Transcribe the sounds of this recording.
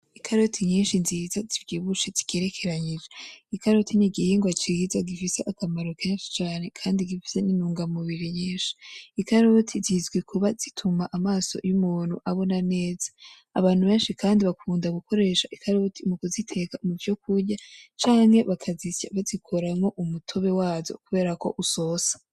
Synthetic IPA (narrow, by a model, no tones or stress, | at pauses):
ikʰaɾotʰiɲiːnʃinziːzazibɟiːβut͡ʃezi̥ke̞ːɾe̞kʰe̞ɾaɲid͡ʒeikaɾotiniɡiheŋɡwat͡ʃizaɡifise̞ʔakamaɾo̞kʰeːnʃi̥t͡ʃaːne̞kʰaːndiɡifi̥se̞ninuːŋɡamuβiɾiɲiːnʃi̥ːkaɾotʰizizɡwekʰuβazitʰumaʔamaːso̞̰jumuːn̥hṵʔaβo̞nane̞ːza | aβaːn̥huβe̞ːnʃikaːndiβakʰuːndaɡuko̞ɾe̞ːʃaʔikaɾotʰimukuzitʰe̞kamuvjo̞kuɾɟat͡ʃaːŋ̥he̞βakʰazisa̰βazikʰo̞ɾamŋo̞ʔumutʰo̞βe̞waːzo̞̰kuβe̞ːɾako̞̰ʔuso̞ːsḁ